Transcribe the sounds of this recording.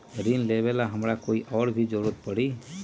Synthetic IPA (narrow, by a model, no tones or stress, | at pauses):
ɾinlɛbɛlaɦəmɾakoiʔɔɽbʱid͡ʒɔɾuɾ̚pəɽi